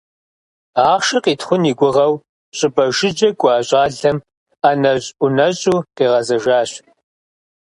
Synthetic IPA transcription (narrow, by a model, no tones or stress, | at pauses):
aːχʃɐqiːtχʷʊniːɡʷʊʁɐw | ɕʼɪbɐʒɪd͡ʒɐkʷʼaːɕʼaːɮɐm | anɐɕʼʔʊnɐɕʼuːqiːʁɐzɐʒaːɕ